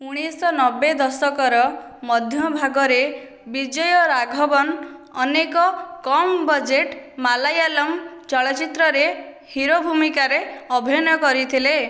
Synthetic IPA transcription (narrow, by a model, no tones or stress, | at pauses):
uɽ̃isɔnɔbed̪ɔsɔkɔɾɔ | mɔd̪ʱjɔbʱaɡɔɾe | bid͡ʒɔjɔɾaɡʱɔbɔnɔnekɔkɔmbɔd͡ʒeʈmalajalɔmt͡ʃɔɭat͡ʃit̪ɾɔɾe | hiɾobʱumikaɾeɔbʱjnɔkɔɾit̪ʰile